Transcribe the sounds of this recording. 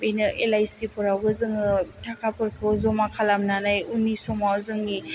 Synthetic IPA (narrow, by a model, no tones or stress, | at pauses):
benɯʔelajsipɔɾabɯzɯŋɯtʰakʰapɯɾkʰɯzɔmakʰalamnanajunisɔmawzɯŋni